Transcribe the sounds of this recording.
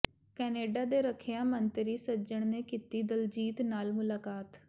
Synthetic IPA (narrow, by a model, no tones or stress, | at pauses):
kɛːneːɖaːd̪eːɾəkʰejãːmənt̪ɾiːsəd͡ʒəɳ̃nẽːkiːt̪iːd̪əld͡ʒiːt̪naːlmʊlaːkaːt̪